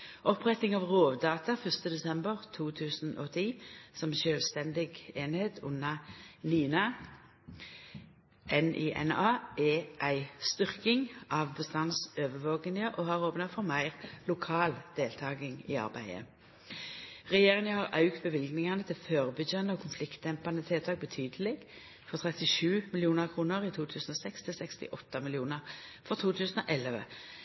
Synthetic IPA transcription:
ʔɔpʁɛt̪ɪŋɑʋʁoːʋd̪ɑːt̪ɑfœʁst̪əd̪ɛsɛmbəʁt̪ʰuːt̪ʰʉːsn̩ʔɔt̪ʰiːsɔmʃøːlst̪ɛnd̪ɪɡeːnheːt̪ʰʉnːɑniːnɑ | ʔɛniʔɛ̰nɑːʔɛʔæɪst̪ʏʁkɪŋʔɑːʋbəst̪ɑnsøːʋəʋoːɡənɪəʔɔːhɑːʁoːpnɑfɔʁmæɪʁlʊkʰɑːld̪̥eːlt̪ʰɑːɡɪŋɪ̰ːɑ̰ʁbæ̰ɪə̰ | ʁɛjeːʁɪŋəhɑʁʔɑ̰ʉkt̪̚bəʋɪlɡnɪŋɑnət̪ʰɪlføːʁbʏçənəɔːkʰʊnflɪkt̪̚d̪ɛmpɑnət̪ʰɛːlt̪ʰɑːɡ̚bət̪ʰyːd̪əlɪɡ | fɔʁt̪ʰʁɛt̪ɪʃʉːmɪlɪuːnəʁkʰʁuːnəʁiːt̪ʰuːt̪ʰʉːsn̩oːsɛkst̪ʰɪlsɛkst̪ɪ̰ʔɔt̪ːɑmɪlɪuːnəʁfɔʁt̪ʰuːt̪ʰʉːsən̩oːʔɛləʋə̰

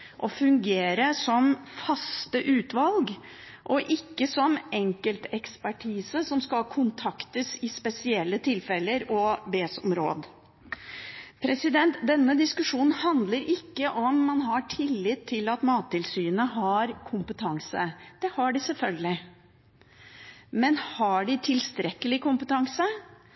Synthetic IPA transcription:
ʔɔfʉŋɡeːɾəsɔmfɑst̪əʔʉːt̪ʋɑlɡ | ʔɔʔɪkːəsɔmɛŋkəlt̪ɛkspæʈʰiːsəsɔmskɑlkʰʊnt̪ʰɑkt̪əsɪspɛsɪɛlːət̪ʰɪlfɛlːəɾɔbeːsɔ̰mɾo̰ːd̪ | pʰɾɛsɪd̪ɛnt̪d̪ɛnːəd̪ɪskʉʂuːnn̩hɑnd̪ləɾɪkːəʔɔmːɑnɦɑʈʰɪlːɪt̪ʰːɪlɑt̪mɑːt̪ʰːɪlsyːənəɦɑɾkʰʊmpət̪ʰɑŋsəd̪̥ɛhɑɖɪsɛlfœlɡəlɪ | mɛnhɑɖɪt̪ʰɪlst̪ɾɛkːəlɪkʊmpət̪ʰɑŋsə

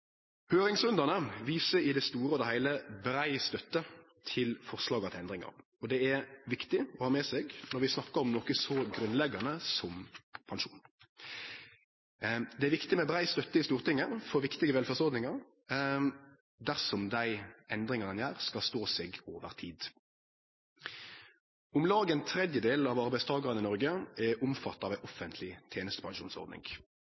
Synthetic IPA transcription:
høːɾɪŋsʉnd̪ənəʋiːsəɪd̪ɛst̪uːɾəɔd̪ɛhæɪləbɾæɪst̪œt̪ːə | t̪ʰɪlfɔʁslɑːɡɑt̪ʰɪlɛnd̪ɾɪŋɑ̰ɾ | ɔd̪ɛæɾʋɪkt̪ɪɔhɑːmɛːsɛːɡnɔɾʋɪsnɑkːəɾɔmnɔkəsɔɡɾʉnlɛɡːɑnəsɔmpʰɑŋʂuːn | d̪ɛæɾʋɪkt̪ɪmɛbʁæɪst̪œt̪ːəɪst̪uːʁt̪ɪŋːəfɔɾʋɪkt̪ɪɡəʋɛlfæʁsɔʁd̪nɪŋɑʁ | d̪æʁsɔmd̪æɪʔɛnd̪ɾɪŋɑnənjæːʁskɑlst̪oːseːɡoːʋəʁt̪ʰiːd̪ | ʊmlɑːɡəɛnt̪ʰɾɛd̪jəd̪eːlɑʋɑɾbæɪst̪ʰɑːɡɑʁənɪnɔɾɡəɛʔʊmfɑt̪ːɑʋæʔɔfənt̪ʰlɪt̪ʰjeːnəst̪əpʰɑŋʃṵːnsɔ̰ʁd̪nɪ̰ŋ

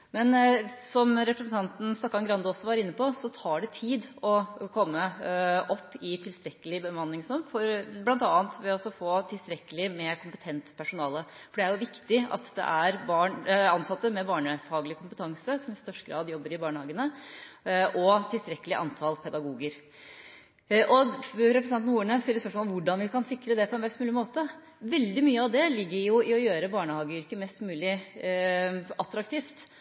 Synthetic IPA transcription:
mɛnsɔmɾɛpɾəsənt̪ʰɑnt̪n̩st̪ɔkːɑnɡɾɑnd̪ʊɔsːɔʋɑɾɪnːəpʰɔsɔt̪ʰɑːɖɛt̪ʰiːd̪ɔkʰɔmːəʔɔpːɪt̪ʰɪlst̪ɾɛkːəlɪbəmɑnːɪŋsɔmfɔɾblɑnt̪ɑːɑnt̪ʋɛɔɔsɔfoːt̪ʰɪlst̪ɾɛkːəlɪmɛkʰʊmpət̪ʰɛnt̪pʰæʂʊnɑːləfɔɖɛæɾjʊʋɪkt̪ɪɑ̰t̪d̪ɛ̰ʔæɾbɑːɳɑnsɑt̪ːəmɛbɑːɳəfɑːɡlɪəkʰʊmpət̪ʰɑŋsəsɔmɪst̪œʂʈɡɾɑ̰ːd̪jɔbːəɾɪbɑːɳəhɑːɡənə | ʔɔt̪ʰɪlst̪ɾɛkːəlɪʔɑ̰nt̪ʰɑlpʰɛd̪ɑɡuːɡəɾ | ʔɔɾɛpɾəsɑn̩uːəɳəst̪ɪlːəspœʂmoɔlmʋʊɖɑnʋɪkɑnsɪkɾəd̪ɛpʰɔɛnʋɛst̪mʉːlɪmoːt̪ə | ʋɛld̪ɪmyːəɑʋd̪ɛlɪɡːəɾjʊɪɔjøːɾəbɑːɳəhɑːɡəʏɾkəmɛst̪mʉːlɪ | ɑt̪ɾɑkt̪ʰiːft̪

